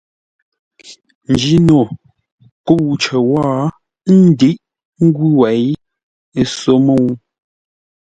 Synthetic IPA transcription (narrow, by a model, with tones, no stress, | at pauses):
n̩˨d͡ʒi˨˦no˨ | ko˦˨wt͡ʃə˨waː˦ | n̩˦di˦ʔ | ŋ̩˦ɡu˦wɛ˨j | e˦˨so˦mə˦˨wu˦